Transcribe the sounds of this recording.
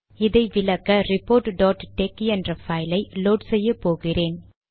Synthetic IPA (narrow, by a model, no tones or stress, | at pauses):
ɪðɐɪʋɪlɐkːɐɾɪpːoːɾʈɖɔːʈʈekːiɛndrɐfɐɪlɐɪloːɖsɛjːɐpːoːɣɪreːn